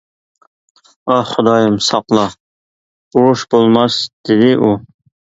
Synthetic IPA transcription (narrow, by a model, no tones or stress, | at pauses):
ɑχʊd̪ɑjɨmsɑqlˠɑ | uɾuʃbolˠmɑsd̪̥ɪd̪ɪʔu